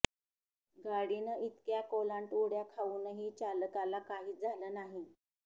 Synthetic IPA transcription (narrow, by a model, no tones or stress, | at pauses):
ɡʱaɽinəʔit̪kjakolaɳʈoɽjakʰaʋuːnəɦiːt͡ɕaləkalakaɦiːd͡zʱaləːnaɦi